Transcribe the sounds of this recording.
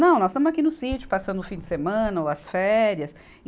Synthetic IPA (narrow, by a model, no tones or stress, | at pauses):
nɐ̃w̃nɔst̪ɐ̃mʊzakinʊsit͡ʃjʊ̥pasɐ̃nd̪ʊfĩd͡ʒɪ̥semɐ̃nɐoɐsfɛɾiɐs